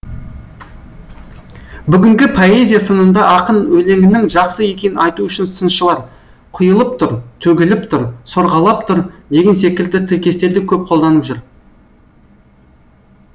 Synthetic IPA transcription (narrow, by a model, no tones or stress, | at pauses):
bʏɡʲɪŋɡʲɪpʰo̞e̞zʲijasənənd̪ɑʔɑqənwɵle̞ŋɪnɪŋʒɑqsəe̞kʲe̞nɪnɑjt̪uʏʃɪnsənʃəlˠɑɾ | qʰʊjəlˠəp̚t̪ʰʊɾt̪ʰɵɡʲɪlɪp̚t̪ʰʊɾso̞ɾʁɑlˠɑp̚t̪ʰʊɾd̪e̞ɡʲe̞ns̬e̞kʲɪld̪ɪt̪ʰɪɾkʲe̞st̪e̞ɾd̪ɪkʲʰɵp̚qʰo̞lˠd̪ɑnəpʒʏɾ